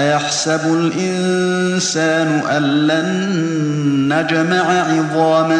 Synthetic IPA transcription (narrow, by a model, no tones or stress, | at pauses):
jaħsabʊlʔɪn | saːnʊʔanːanː | ad͡ʒamaʕaʕɪðˤɑːma